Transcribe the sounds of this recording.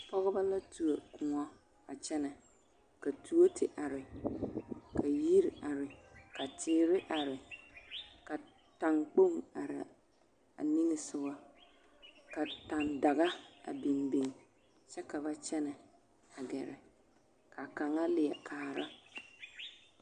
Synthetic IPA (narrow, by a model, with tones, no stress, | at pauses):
pɔ˦ɣɔ˦ba˦la˦tu˨a˨kʊ˨ŋɔ˦ | a˨t͡ʃɛ˦nɛ˨ | ka˨tʰu˦o˦tʰɪ˨ʔa˨ɾɪ˨ | ka˨ji˦ɾɪ˨a˨ɾɪ˨ka˨tʰɪː˨˦ɾɪ˦ʔa˨ɾɪ˨ | ka˨ | ta˨ŋk͡po˦ŋa˨ɾɪ̰˨ | a̰˨ni˦nɪ˨sʊ˦wa˦ | ka˨ta˨nda˨ɣa˦a̰˨bɪ˨nbe˦ŋ˨ | t͡ʃɛ˦ka˨βa˦t͡ʃɛ˦nɛ˨ | a˨ɡɛ˨ɾɛ̰˨ | ka˨ka˨ŋa˦lɪ˨ɛ˨kʰaː˨˦˨ɾa˦